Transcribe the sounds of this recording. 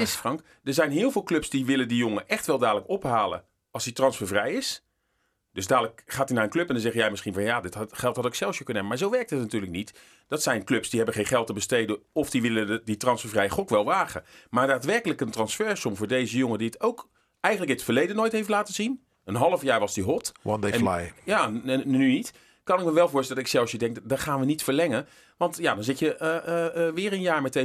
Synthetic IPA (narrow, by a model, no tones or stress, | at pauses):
ɪsfrɑŋk | d̥əɹzɛjnɦɪːlˠvɪːlˠklɵpsdiʋɪləndijoŋəʔɛχtʋɛlˠdaːdələkɔpɦaːlə̰ | ɑlˠsditrɑnsfəɹvrɛjɪs | d̥ɵzdaːdləkχaːtinaːɹənklɵpɛndɑnzɛχjɛjmɪsχinvɑnjaːdɪtχɛlˠtɦɑtoksɛlˠsjəkɵnəɛbəmaːɹzowʋɛɹk̚tɦətnatyːɹləknit | d̥ɑtsɛjnklɵpsdiɦɛbənχejnχɛlˠtəbəstejdəɔfdiʋɪləditrɑnsfəɹvrɛjəχɔkʋɛlˠʋaːχə̰maːɹdaːtʋɛɹkələkəntrɑnsfɛɹsɔmvʊːɹdejzəjʊŋədiətowk | ɛjχənləkɪtfəɹlejdənoːjtɦejftlaːtəzin | ənɦɑlˠəvjaːɹʋɑzdiɦɔtwɔtdena̰jjanynit | kɑnɪk̚məʋɛlˠvʊːɹstɛldɑtɪksɛlˠsjədɛŋkdɑχaːnʋənitfəɹlɛŋə | ʋɑntjaːdɑnzɪtjəʔʋɪːɾənjaːɹmɛt̚e